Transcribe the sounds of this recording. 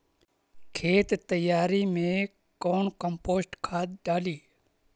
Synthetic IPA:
kʰeːt̪t̪əjaːɾimẽ | koːnkəmpoːsʈkʰaːd̪̚ɖaːliː

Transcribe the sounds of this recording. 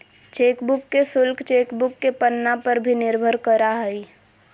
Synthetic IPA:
t͡ʃeːkbʊkːesʊlkʰt͡ʃeːkbʊkːepənːapəɾbʱinɪɾbʱəɾkəɾaɦəi

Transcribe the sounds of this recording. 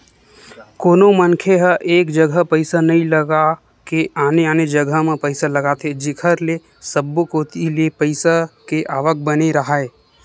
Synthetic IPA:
koːnomənkʰeɦəʔeːkd͡ʒəɡʱəpəɪsanɐɦĩləɡa | keaːneaːned͡ʒəɡʱəmẽpəɪsalɐɡaːt̪ʰed͡ʒɪkʰəɾle | səbːokoːt̪iliepəɪsakeʔaːʋək̚bəneɾɐɦaeː

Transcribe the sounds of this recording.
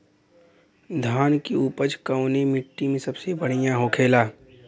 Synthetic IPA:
d̪ʱaːnkiuːpət͡ʃkɐʊnemɪʈːimẽsɐbsebɐɽ̤ijãɦokʰeːlaː

